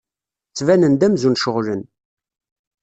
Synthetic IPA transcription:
t͡sːvænənd̪æmzunʃəʁlən

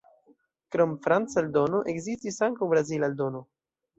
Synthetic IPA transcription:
kɾomfɾant͡sald̪onoʔekzistisaŋkawbɾazilald̪ono

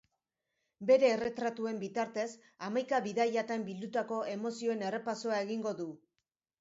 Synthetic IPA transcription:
be̞ɾe̞ːre̞t̪ɾat̪ue̞mbit̪aɾt̪e̞s | amajkaβiðajat̪ambild̪ut̪ako̞ʔe̞mo̞sio̞e̞ne̞re̞paso̞ae̞ɣiŋɡo̞ðu

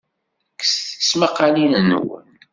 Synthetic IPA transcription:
kːsθəsməqːalinənwə̰n

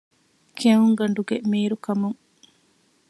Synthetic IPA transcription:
kʰeɦuŋɡɐɳɖuɡemiːɾukɐmuŋ

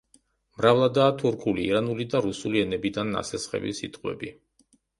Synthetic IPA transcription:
mɾavlˠad̪aːt̪ʰuɾkʰuliːɾanulid̪aɾusuliɛnɛbid̪anːa̰sɛsχɛ̰vḭsit̪ʼqʼwɛ̰bi

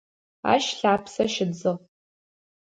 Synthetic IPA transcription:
a̰ʃɬaːpʰsaʃɪd͡zɨʁ

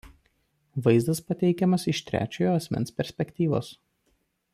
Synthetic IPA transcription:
ʋɐɪzd̪ɐspɐt̪ʲɛɪkʲɛmɐsɪʃt̪ʲɾʲæ̰ːt͡ʃʲoːjoːɐsʲmʲɛ̰nspʲɛɾʲsʲpʲɛkʲt̪ʲiːʋo̰ːs

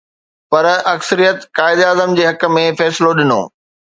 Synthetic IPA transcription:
pɐɾɐksəɾijət̪kaːɪd̪aːzəmd͡ʑeːɦɐkəmẽfɛːsɪloɗɪno̰ː

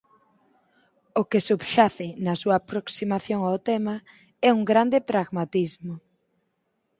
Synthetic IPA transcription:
ʊkesubʃaθɪnɐsuɐːpɾoksimaθjoŋawt̪ɛmɐ | ɛuŋɡɾand̪ɪpɾaɣmat̪izmʊ

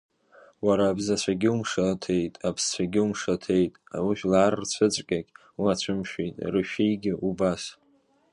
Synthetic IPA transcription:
waɾaːbzat͡ɕʷʰaɡʲɪumʂatʰe̞jtʼapʰst͡ɕʷʰaɡʲɪumʂatʰe̞jtʼa̰wiʃᶣlaarrt͡ɕʷʰɨt͡sʷʼkʲʼakʲʼ | wiat͡ɕʷʰɨmʃᶣejtʼrɨʃᶣijɡʲɪʔubas

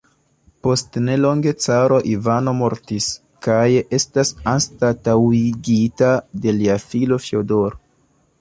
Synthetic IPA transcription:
po̞stne̞lo̞ŋɡe̞t͡saɾo̞ʔivano̞mo̞ɾtis | kaje̞stasanstatawiɡitade̞liafilo̞fjodo̞ɾo

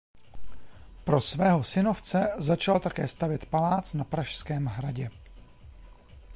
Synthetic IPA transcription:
pɾo̞svɛːɦo̞sɪno̞ft͡sɛzat͡ʃalt̪akɛːst̪avjɛt̪palaːt͡snapɾaʃskɛːmɦɾaɟɛ

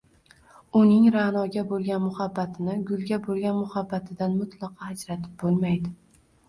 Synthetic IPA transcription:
ʊnɪŋɾanɒɡʲabolˠɡʲanmʊhabːat̪ʰɪnɪɡʊlˠɡʲabolˠɡʲanmʊhabːat̪ʰɪd̪anmʊt̪ʰlˠɑqʰɑhad͡ʒɾat̪ʰɪ̥p̚bolˠmajd̪ɪ

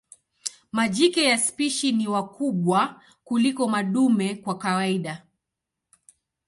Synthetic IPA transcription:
maʄikɛjaspiʃiniwakuɓwa | kulikɔmaɗumɛkwakawaiɗa

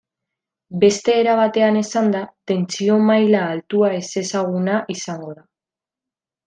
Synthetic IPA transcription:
be̞st̪e̞ːɾaβ̞at̪e̞ane̞sand̪at̪e̞nt͡sio̞majlaːlt̪uae̞se̞saɣ̞unaʔisaŋɡo̞ða

